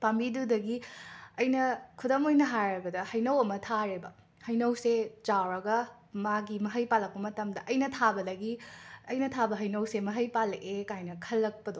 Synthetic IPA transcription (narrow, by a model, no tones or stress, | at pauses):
pambidudɐɡiɐjnɐkʰudɐmojnɐɦajɾɐbɐdɐhɐjnɐwɐmɐtʰaɾebɐ | hɐjnɐwset͡ʃawɾɐɡɐ | maɡimɐɦɐjpalːɐk̚pɐmɐtɐmdɐʔɐjnɐtʰabɐdɐɡiɐjnɐtʰabɐɦɐjnɐwsemɐɦɐjpalʔekajnɐkʰɐlːɐk̚pɐdo